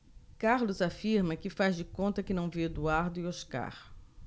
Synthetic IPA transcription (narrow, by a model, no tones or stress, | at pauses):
kaɾlʊzafiɾmɐkɪfazd͡ʒɪkõnt̪ɐkɪnɐ̃w̃ved̪uaɾd̪ʊioska̰ɾ